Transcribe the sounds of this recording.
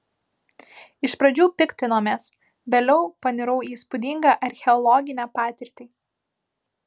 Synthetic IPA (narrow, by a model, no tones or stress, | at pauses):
ɪʃpɾɐd͡ʒʲuːpʲɪkʲt̪ʲɪnoːmʲeːs | ʋʲeːlʲɛʊpɐnʲɪɾɐʊiːspʊd̪ʲɪŋɡɑʔɐɾʲxʲɛɔlˠɔɡʲɪnʲæːpɑːt̪ʲɪɾʲt̪ʲiː